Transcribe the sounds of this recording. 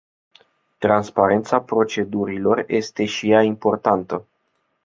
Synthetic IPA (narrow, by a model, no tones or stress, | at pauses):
t̪ɾanspaɾe̞nt̪sapɾo̞t͡ʃe̞d̪uɾilo̞rje̞st̪e̞ʃijaimpo̞rt̪ant̪ə